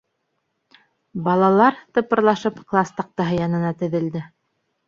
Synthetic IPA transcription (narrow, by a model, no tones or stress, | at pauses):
bɑlˠɑlˠɑɾt̪ɤ̆pɤ̆ɾlˠɑʃɤpklˠɑst̪ɑq̚t̪ɑɦɤjɑnɤ̆nɑt̪ɵ̆ðɘ̆ld̪ɘ